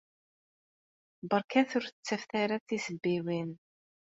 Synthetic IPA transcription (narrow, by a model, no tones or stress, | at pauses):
bəɾˤkæθʊɾθət͡sːæfθaɾaθisəbːiwin